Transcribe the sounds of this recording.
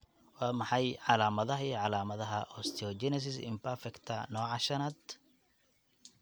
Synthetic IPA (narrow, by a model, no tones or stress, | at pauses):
wɑːmɑħɑjʕɑlaːmɐðɐɦɐiʕɑlaːmɐðɐɦɐʔɔst̪ʰɔd͡ʒɛnɛs̬ɪsɪ̰mpʰɐɾfɛkt̪ʰɐnɔːʕɑʃɐnɐd̪